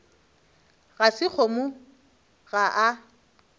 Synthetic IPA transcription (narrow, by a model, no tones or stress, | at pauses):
ɣasɪk͡xʰɔmʊ | ɣaʔa